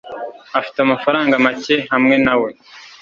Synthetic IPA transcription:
afi̥teamafaɾaːŋɡamace̞ɦamŋe̞nawe̞

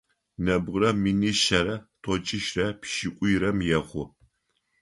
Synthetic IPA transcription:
nɐbʁrɐminiʃɐɾɐtʰʼɔt͡ʃʼɪʃrɐpʃɪkʷʼʊjɾɐmjɛχʷʊ

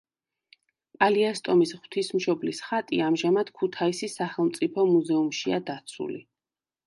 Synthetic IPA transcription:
pʼaliast̪ʼɔmisʁwt̪ʰismʃɔblisχat̪ʼḭamʒamad̪̥kʰut̪ʰaisisaχɛlˠmt̪sʼipʰɔmuzɛumʃiad̪at̪sʰṵlḭ

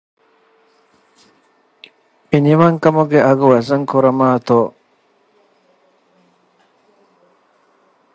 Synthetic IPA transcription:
eniʋɐŋkɐmuɡeʔɐɡuʋɐzɐŋkuɾɐmaːt̪oː

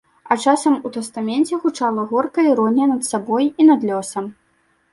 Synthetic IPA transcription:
ɐt͡ʂasɐmut̪ɛst̪amʲɛnt͡sʲɛɣut͡ʂalˠɐɣɔrkɐiɾɔnʲɛnɐt̪sabɔjinɐd̪lʲɔsɐm

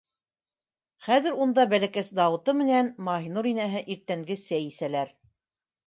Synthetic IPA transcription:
χæðɘ̆ɾund̪ɑbælækæsd̪ɑwɤ̆t̪ɤmɘ̆nænmɑɦinuɾinæɦɘʔiɾt̪æŋɡɘæjisælæɾ

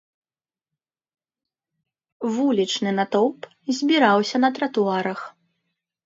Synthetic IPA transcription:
vulʲit͡ʂnɨnat̪ɔp | zʲbʲiɾawsʲɐnɐt̪ɾɐt̪uaɾɐx

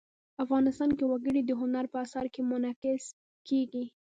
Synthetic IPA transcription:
afɣɑnɪst̪ɑnkewaɡəɽid̪əɦʊnaɾpəasɑɾkemʊnɑkɪs | keɡi

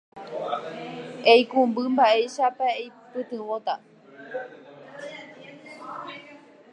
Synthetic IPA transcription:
ejkũmbɨmbaʔe̞ʃapaejpɨt̪ɨ̃wot̪a

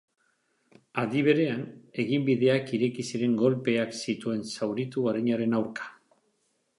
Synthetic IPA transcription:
aðiβ̞e̞ɾe̞ane̞ɣimbiðe̞akiɾe̞kisiɾe̞ŋɡo̞lpe̞aksit̪ue̞nsawɾit̪uaɾaɲaɾe̞nawɾkḁ

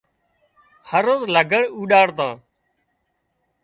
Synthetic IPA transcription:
həɾoːzləɡʱəɳuːɗaːɽt̪ãː

